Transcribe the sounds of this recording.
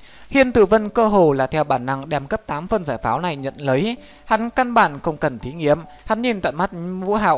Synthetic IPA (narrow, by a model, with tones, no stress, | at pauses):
hḭ˧ənt̪ɨ˧˩və˧nkəː˧ɦo˨˩laː˨˩t̪ʰɛ˧wɓaː˧˩nːa˧ŋɗɛ˧˩mkə˦˥p̚t̪aː˨˦mfə˧nzaː˧˩jfaː˨˦wna˨˩jɲə̰˧˨nlə˨˦j | ha˨˦nka˧nɓaː˧˩nxə˧wŋ͡mkə˨˩nt̪ʰi˨˦ŋi˨˦əm | ha˨˦nɲi˨˩nt̪a̰ː˧˨jma˦˥t̚ɲvṵ˧˥ɦa̰ː˧˨w